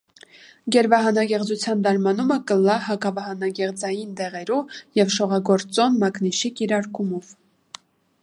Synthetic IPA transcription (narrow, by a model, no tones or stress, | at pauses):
ɡɛɾvɑɦɑnɑɡɛʁd͡zut͡sʰjɑnd̪ɑɾmɑnuməkəlɑɦɑkɑvɑɦɑnɑɡɛʁd͡zɑjind̪ɛʁɛɾujɛvʃɔʁɑɡɔɾt͡sɔnmɑkniʃikiɾɑɾkumɔv